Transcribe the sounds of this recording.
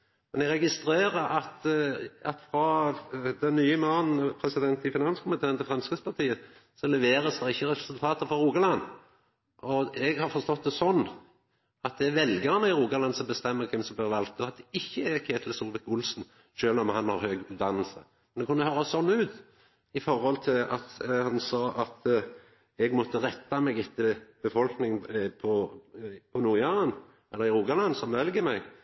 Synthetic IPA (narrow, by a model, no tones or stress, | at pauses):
mɛnɛɡɾɛɡɪst̪ɾeːɾəʔɑt̪ɑt̪fɾɑd̪ɛnːyːəmoːnn̩pʰɾɛsɪd̪ɛnt̪ɪfɪnɑnskʰʊmɪt̪ʰeːənt̪ʰɪfʁɑmskəspʰɑʁt̪ʰiːəsɔlɛʋeːɾəsd̪ɛʁɪçːəɾɛpə̥sʉlt̪ʰɑːt̪əfɔɾʁuːɡɑlɑnː | ʔɔɛɡhɑʁfɔɾst̪ɔt̪̚d̪ɛsɔnː | ɑt̪̚d̪ɛæʋɛlɡəʁnəɪʁuːɡɑlɑnsɔmbəst̪ɛmːəkʰɛmsɔmb̪əːʁʋɑlk̪t̪ːɑt̪̚d̪ɛɪçːəækʰeːt̪ʰl̩suːlʋɛkʊlsn̩ | ʃøːlɔmhɑnhɑɾhøːɡʉːt̪d̪ɑnːəlsə̰ | mɛnd̪ɛkʰʊnːəhøːɾɑsɔnːʉːt̪ | ɪfɔɾhɔlt̪ʰɪlɑt̪hɑnsɑːʔɑt̪ | ɛɡmɔt̪ːəʁɛt̪ːɑmɛɡɪt̪ːəb̥əfɔlknɪŋpʰɔ | pʰɔnuːɾjɑʁən | ɛlːəʁɪɾuːɡɑlɑnsɔmʋɛlɡəmɛɡ